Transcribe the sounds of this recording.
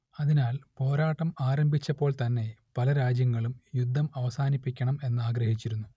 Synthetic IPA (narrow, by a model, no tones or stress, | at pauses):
ɐðinaːlpo̞ːɾaːʈːɐmaːɾɐmbʱit͡ɕːɐpːo̞ːɭt̪ɐnːe̞pɐlɐɾaːd͡ʑjɐŋːɐɭumjud̪ʱːɐmɐʋɐsaːnipːikʲːɐɳɐme̞nːɨaːɡɾɐhit͡ɕːiɾunːu